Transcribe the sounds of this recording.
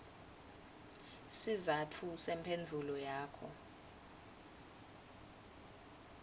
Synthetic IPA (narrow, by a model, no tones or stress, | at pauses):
sizatʰusɛmpʰend͡ɮʱulɔjaːkʰɔ